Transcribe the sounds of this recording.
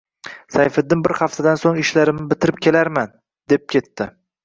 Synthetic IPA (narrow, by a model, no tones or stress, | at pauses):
sajfɪd̪ːɪmbɪɾhaft̪ʰad̪ansoŋɪʃlaɾɪmnɪbɪt̪ʰɪɾɪp̚kʲʰe̞laɾman | d̪ep̚kʲʰe̞t̪ːɪ